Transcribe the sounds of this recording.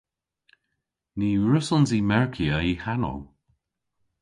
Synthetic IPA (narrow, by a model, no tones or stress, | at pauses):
niːɹʊsənziːmɛɹkʰiəihano̰w